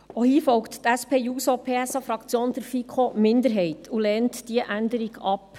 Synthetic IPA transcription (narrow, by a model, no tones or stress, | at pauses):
ohiːfɔlkttæspʰeːjuːsopʰeːɛsɑfɾɑkt͡sjoːnd̥əɾfikʰχomɪndəɾɦɛɪtʰulɛːntd̥iəʔændəɾiɡɑp